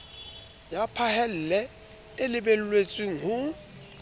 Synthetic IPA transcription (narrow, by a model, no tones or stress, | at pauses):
japʰahɛl̩lɛ | elɪbel̩lwet͡sʼwiŋʊ